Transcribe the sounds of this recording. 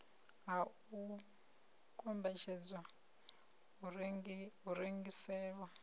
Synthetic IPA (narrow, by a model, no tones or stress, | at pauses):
ɦa | u | kʰʼɔmbɛt͡ʃʰɛd͡zwa | ɦuɾiŋɡisɛːβa